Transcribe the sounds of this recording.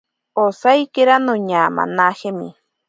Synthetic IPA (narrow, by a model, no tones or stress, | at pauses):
osajkeɾanoɲama̰nahemḭ